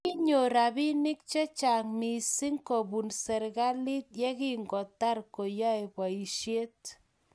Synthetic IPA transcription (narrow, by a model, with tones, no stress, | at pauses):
ki˦ɲo˨ɾa˨bi˦nɪ˦k̚t͡ʃe˦t͡ʃa˨ŋmi˨si˦ŋko˨bu˨nsɛ˨ɾɣa˦li˦t̪̚je˦ki˦ŋɡɔ˨ta˦rko˨ja˦e˨bwa˨i˨ʃje˦t